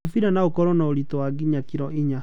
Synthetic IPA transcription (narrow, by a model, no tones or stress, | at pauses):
fiɾanaokɔɾɔnaoɾitɔwaɡiɲakiɾɔʔiɲa